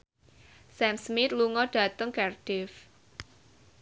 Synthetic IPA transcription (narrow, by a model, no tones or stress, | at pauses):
sɛmsmɪt̪̚luŋɔɖ̥a̤t̪əŋkɛrɖ̥ɪf